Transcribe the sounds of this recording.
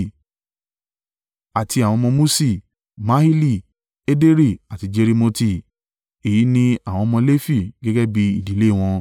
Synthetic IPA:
a˨ti˧a˨w̃ɔ̃˧mɔ̃˧mũ˦si˦˨ | mã˦hi˦li˦˨ | e˦de˦ɾi˦˨a˨ti˧d͡ʒe˧ɾi˧mo˧ti˦˨ | e˨i˨˦nĩ˦a˦˨w̃ɔ̃˧mɔ̃˧le˦fi˦˨ɡɛ˦ɡɛ˦bi˧i˦˨di˨˦le˦˨w̃ɔ̃˧

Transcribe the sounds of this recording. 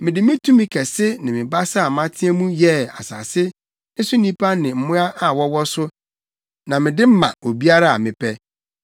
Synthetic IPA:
mɪ̃˨dɪ˨mɪ̃˦tʰũ˦mɪ̃˦kʰɛ˨sɪ˦nɪ̃˨mɪ̃˨ba˦sa˦˨mã˦tʰɪ˦ɛ˦mũ˦jɛ˦a̰˨sa̰ː˨sɪ˦ | n̩˦su˦nĩ˦pʰa˦nɪ̃˨m̩˨mʊ̃˦a˦ʔa˨wɔ˦wɔ˦sʊ˦ | nã˨mɪ̃˨dɪ˦m̩˦mã̰˨o˨bi˦a˦ɾa˦a̰˨mɪ̃˨pʰɛ˦

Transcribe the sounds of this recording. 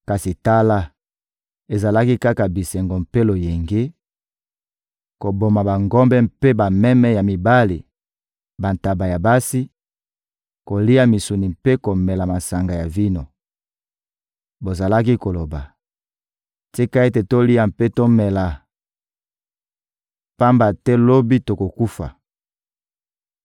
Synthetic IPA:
ka˨si˨ta˦la˦ | e˨za˨la˦ki˦ka˦ka˨bi˨sɛ˨ŋɡo˨m̩pe˦lo˨je˨ŋɡe˦ | ko˨bo˨ma˨ba˨ŋɡɔ˦mbɛ˦m̩pe˦ba˨mɛ˦mɛ˦ja˨mi˨ba˦li˨ | ba˨nta˨ba˨ja˨ba˦si˦ | ko˨li˦ja˦mi˨su˨ni˨mpe˦ko˨mɛ˨la˨ma˨sa˨ŋɡa˨ja˨vi˦no˨ | bo˨za˨la˦k̬i˦ko˨lo˨ba˨ | ti˦ka˦e˦te˨to˦li˦ja˨mpe˦to˦mɛ˨la˨ | pa˦mba˨tɛ˦lo˦bi˦to˨ko˨ku˦fa̰˨

